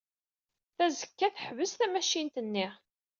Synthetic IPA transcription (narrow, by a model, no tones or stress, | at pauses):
θæzəkːæθəħvəsθæmæʃint̪ənːi